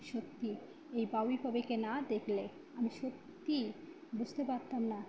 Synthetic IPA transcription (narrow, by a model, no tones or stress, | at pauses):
ʃot̪ːi | ejbawibʱabekenad̪ekʰle | amiʃot̪ːi | bud͡ʑt̪epaɾt̪amna